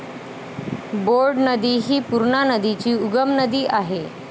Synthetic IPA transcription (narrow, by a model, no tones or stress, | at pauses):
boɾɖnəd̪iːɦiːpuɾɳanəd̪it͡ɕiːuɡəmnəd̪iːʔaɦe